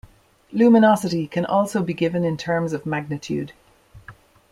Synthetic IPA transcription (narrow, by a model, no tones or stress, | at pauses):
luːmɪnɑsɪtikʰə̃nʔɔːlˠsoʊbiɡɪvə̃nɪ̃ntʰɜ˞mzəvmaɡ̚nɪtʰʉ̰ːd̥